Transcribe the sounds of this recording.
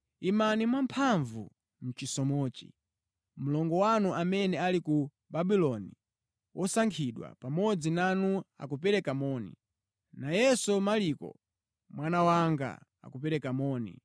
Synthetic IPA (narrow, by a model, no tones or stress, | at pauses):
imanimwampʰaɱvu | m̩t͡ʃisɔmɔːt͡ʃḭ | m̩lɔŋɡɔwanuʔamɛnɛaliku | babilɔni | wʔɔsaŋkʰiɗwa̰pamɔd͡zinanua̰kupɛɾɛkamɔːnḭ | najɛsɔmalikɔ̰ | mwanawaŋɡa̰a̰kupɛɾɛkamɔːnḭ